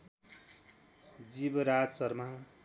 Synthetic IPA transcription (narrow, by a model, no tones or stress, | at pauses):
d͡zibʌɾad͡zsʌɾma